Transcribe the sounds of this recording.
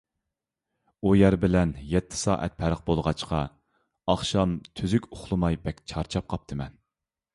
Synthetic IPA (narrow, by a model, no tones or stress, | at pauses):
ujæɾbɪlɛnjɛt̪ʰːɪ̥sɑ̰ːʔɛ̰t̪̚pʰæɾəq̚bolˠʁɑt͡ʃqɑ | ɑχʃɑmt̪ʰyzykʲʊχlˠɨmɑjbɛkʲt͡ʃʰɑɾt͡ʃʰɑp̚qʰɑp̚t̪ʰɨmɛn